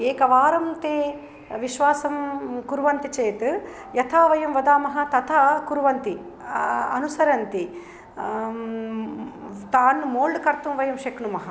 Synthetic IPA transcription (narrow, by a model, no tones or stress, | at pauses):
eːkɐʋaːɾɐmt̪eː | ʋiʃʋaːsɐmkuɾʋɐnt̪it͡ʃeːt̪ | jɐt̪ʰaːʋɐjɐmʋɐd̪aːmɐɦɐ̆t̪ɐt̪ʰɐkuɾʋɐnt̪i | ɐnusɐɾɐnt̪i | t̪aːnmoːɭɖkɐɾt̪umʋɐjɐmʃekɳumɐɦɐ